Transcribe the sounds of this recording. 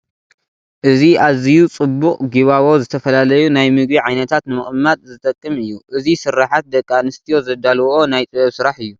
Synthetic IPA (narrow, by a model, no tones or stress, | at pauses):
ʔɨziaβzijut͡sʼɨbːuqʼɡiβaβo̞zɨt̪ʰɐfɐlalɐjunajmɨɡ̚biʕajnɐt̪ʰat̪nɨmɨχʼmːad̪zɨt̪ʼɐkʼːɨmɨjːuʔɨzisɨɾaħat̪̚d̪ɐkʼːanɨst̪ʰijo̞zɐd̪alwo̞najt̪ʼɨβɐβsɨɾaħɨjːu